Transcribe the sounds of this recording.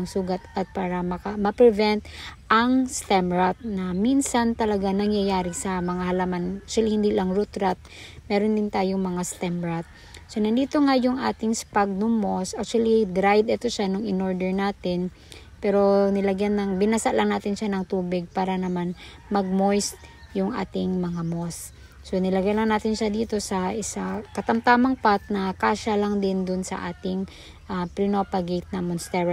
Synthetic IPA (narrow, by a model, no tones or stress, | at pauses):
ŋsuːɡat̪ʔɐt̪̚paːɾɐmɐkamɐpɾɛvɛnt̪ʔɐŋst̪ɛmɹat̪̚nɐminsant̪ɐlɐɡanɐŋjɐjaːɾɪsɐmɐŋahɐlamanak̚t͡ʃwɐlihɪnd̪ilaŋɾut̪ɾat̪̚mɛːɾond̪ɪnt̪aːjoŋmɐŋast̪ɛmɹat̪̚ | sonɐnd̪iːt̪o̞ŋajʊŋʔaːt̪ɪŋspaɡ̚nʊmosʔak̚t͡ʃʊwɐlid̪ɾajd̪ɛt̪oʃanʊŋɪnoɹd̪ɛɹnaːt̪ɪn | pɛːɾo̞nɪlɐɡjanːɐŋbɪnasaʔlɐŋnaːt̪ɪnʃanɐŋt̪uːbɪɡ̚paːɾɐnɐman | mɐɡ̚mojst̪̚jʊŋʔa̰ːt̪ɪŋmɐŋamos | sonɪlɐɡjanlɐŋnaːt̪ɪnʃad̪iːt̪o̞sɐʔɪsakɐt̪ɐmt̪aːmɐŋpat̪̚nɐkaːʃɐlaŋd̪ɪnd̪ʊnsɐ̰ʔa̰ːt̪ɪŋ | ʔapɾɪnopɐɡejt̪̚nɐmonst̪ɛɹ